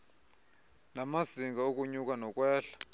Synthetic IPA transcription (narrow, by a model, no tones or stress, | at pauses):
namasiŋɡaok̬ʼuɲukʼanɔk̬ʼwɛːɬḁ